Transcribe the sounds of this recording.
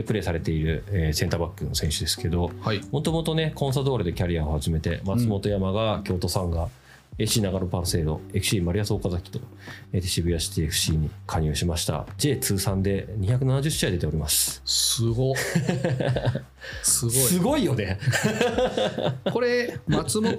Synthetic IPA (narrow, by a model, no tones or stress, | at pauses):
pɯɾe̞ːsaɾe̞t̪e̞iɾɯ̟eːsẽ̞nt̪aːbakːɯ̟no̞sẽ̞ɰ̃ɕɨd̪e̞sɨ̥ke̞d̪o̞himo̞t̪o̞mo̞t̪o̞ne̞kõ̞ɰ̃s̬ad̪o̞ːɾɯ̟d̪e̞kʲaɾʲiao̞haʑime̞t̪e̞̰mat͡sɨmo̞t̪o̞jamaɡakʲo̞ːt̪o̞sãŋɡa | eɕiːnaɡaɾopaɾse̞ːɾo̞̰e̞kɯ̟ɕiːmaɾʲijasoːkazakʲi̥t̪o̞ | et̪e̥ɕibɯ̟jaɕi̥t̪eːɸɯ̟̥ɕiːɲ̟ikʰaɲ̟ɯːɕimaɕi̥t̪a̰d͡ʑe̞ːt͡sɨːsãnd̪e̞ɲ̟içakɯ̟nanaʑɨɕiaid̪e̞t̪e̞o̞ɾʲimasɨ̥sɨɡo | sɨɡsɨɡo̞ijo̞ne̞ | ko̞ɾemat͡sɨm